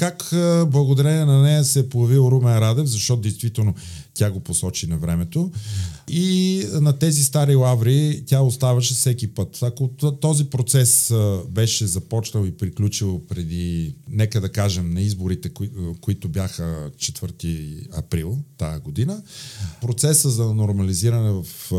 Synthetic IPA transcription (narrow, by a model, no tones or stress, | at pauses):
kakəblˠɐɡod̪ɐɾɛnɛnɐnɛjəsɛpojɐvilˠɾumɛɾad̪ɛfzɐʃt̪ɔt̪ʊd̪ɛjst̪vit̪ɛlˠno | t̪ʲaɡoposɔt͡ʃinɐvɾɛmɛt̪o | inɐt̪ɛzist̪aɾilˠavɾit̪ʲjaost̪avɐʃɛfsɛkʲipət̪ɐkot̪ɔzipɾot̪sɛsbɛʃɛzɐpɔt͡ʃnəlˠipɾiklʲut͡ʃilˠpɾɛd̪inɛkəd̪ɐkaʒɛmnɐizboɾit̪ɛkoit̪ʊbjaxət͡ʃɛt̪v̥əɾt̪iɐ̰pɾilˠt̪a̰jəɡod̪inəpɾot̪sɛsəzɐnoɾmɐliziɾɐnɛvɐf